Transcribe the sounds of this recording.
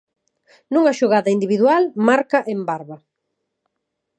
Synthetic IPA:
nuŋɐʃoɣaðɐind̪iβiðwalmaɾkaʔembaɾβɐ

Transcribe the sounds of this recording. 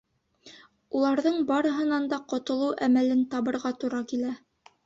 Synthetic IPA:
ulˠɑɾðɤɴbɑɾɤ̆ɦɤ̆nɑnd̪ɑqŏt̪ŏlˠɤwʔæmælɘnt̪ɑβɤ̆ɾʁɑt̪uɾɑkilæ

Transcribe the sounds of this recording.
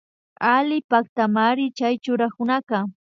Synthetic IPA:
alɪpak̚t̪amaɾɪt͡ʃajt͡ʃʊɾakʊnakɑ

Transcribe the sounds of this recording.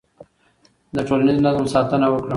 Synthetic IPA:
d̪əʈoːlaniznazəmsɑːt̪ənawəkɽə

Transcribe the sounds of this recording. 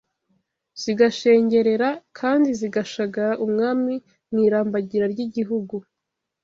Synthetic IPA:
z̥iɡaʃe̞ːɲɟe̞ɾe̞ɾakʰaːndiziɡaʃaɡaɾaʔumŋaːmi | mŋiːɾaːmbaɟiɾaɾɟiɟiɦuɡu

